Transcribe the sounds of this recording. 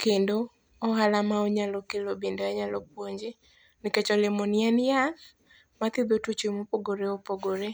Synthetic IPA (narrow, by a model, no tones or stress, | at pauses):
kʰendo | ɔɦalamaɔɲalɔkelobendoaɲalɔp̚woɲd͡ʒe | nɪket͡ʃɔlɪmɔnjɛnja | mat̪ɪd̪otut͡ʃemopoɡoɾeopoɡoɾe